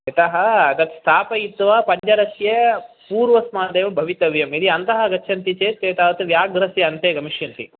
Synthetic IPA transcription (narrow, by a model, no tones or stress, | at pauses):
ɐt̪ɐɦɐɐt̪ɐt̪st̪ʰaːpɐjit̪ːʋɐpɐɲt͡ʃɐɾɐsjɐpuːɾʋɐsmaːd̪eːʋɐbʱɐʋit̪ɐʋjɐmid̪iɐnt̪ɐɦɐɡɐːt͡ʃʰɐnt̪it͡ʃeːt̪ːeːt̪ɐt̪ɐt̪ʋjaːɡɾɐsjɐɐnt̪eːɡɐmiʃjɐnt̪i